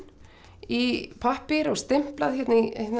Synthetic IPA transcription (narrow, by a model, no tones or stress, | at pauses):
ipʰahpɪɾɔɣst̪ɪm̥plaðçɛht̪nɪt̪n